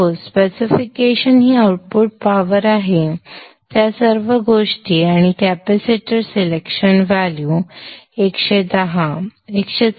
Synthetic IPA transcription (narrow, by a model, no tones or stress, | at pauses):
ospesifikeɕənɦiːawʈ̚puʈ̚paʋəɾaɦe | t̪jasəɾʋəɡoʂʈiaɽ̃ikæpesiʈəɾselekʂənʋaljuekɕed̪əɦaekɕe